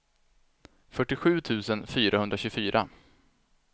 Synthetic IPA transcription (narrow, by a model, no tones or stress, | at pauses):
fœʈːɪɧʉ̟ːt̪ʰʉ̟ːsənfyːɾahɵnd̪ɾaɕɵfyːɾʔa̰